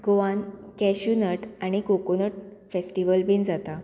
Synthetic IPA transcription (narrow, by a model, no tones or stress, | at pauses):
ɡoʋãnkɛɕunəʈaɽ̃ikokonəʈ̚fesʈiʋəlbʱind͡zat̪a